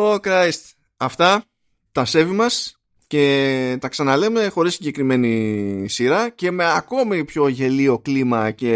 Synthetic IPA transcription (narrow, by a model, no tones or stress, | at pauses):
okɾɐjst̪ | ɐft̪ɐ | t̪ɐse̞vimɐs | ce̞t̪ɐksɐnɐle̞me̞xo̞ɾisːiɲɟe̞kɾime̞nisiɾɐce̞me̞ɐko̞mipço̞ʝe̞lio̞klimɐce̞